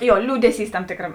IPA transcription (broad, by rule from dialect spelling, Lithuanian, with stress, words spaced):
ˈjoː ˈlʲuːdʲɛˌsʲiːs ˈtɐm ˈtʲeːkrɐm